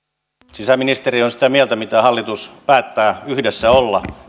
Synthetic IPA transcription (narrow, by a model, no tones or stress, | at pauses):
sisæminist̪erionsi̥t̪æmielt̪æmit̪æhɑlːit̪uspæːt̪ːæːyhdesːæolːɑ̰